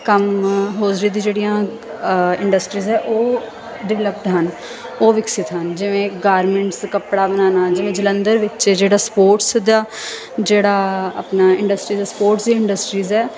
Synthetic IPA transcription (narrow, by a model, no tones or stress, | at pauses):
kəmɦoːd͡ʒɾiːd̪iːd͡ʒeːɽijãː | ɪ̃ɳɖəsʈɾiːzɛːʔoː | ɖɪʋləp̚t̪ɦən | oːʋɪksɪt̪ɦənd͡ʒɪʋẽːɡaːɾmɛ̃ɳʈskəpɽaːbənaːnaːd͡ʒɪʋẽːd͡ʒələnd̪əɾʋɪt͡ʃd͡ʒeːɽaːspoːɾʈsd̪aː | d͡ʒeːɽaːə̰pnaːɪ̃ɳɖəsʈɾiːaːspoːɾʈsd̪iːɪɳɖəsʈɾiːzɛː